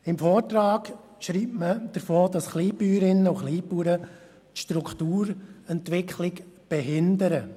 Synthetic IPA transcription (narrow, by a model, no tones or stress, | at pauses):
ɪmfoːtɾaːɡ | ʃɾiːpməd̥əɾfoːdɑsχliːpyːɾɪnːəuχliːpuːɾə | tʃtɾukχtuːɾɛntʋɪkʰχlɪkb̥ɛɦɪnd̪əɾə